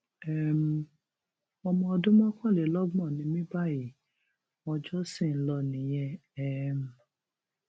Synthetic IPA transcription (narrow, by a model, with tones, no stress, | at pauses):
ɛ˦˨m̩˨ | ɔ˧mɔ̃˧ɔ˧dũ˦mɔ̃˦kɔ̃˦˨le˨˦lɔ˦ɡ͡bɔ̃˦˨nĩ˨˧mĩ˦ba˦˨ji˨ | mɔ̃˧d͡ʒɔ˦sĩ˦˨˦lɔ˧nĩ˨j̃ɛ̃˧ɛ˦m̩˨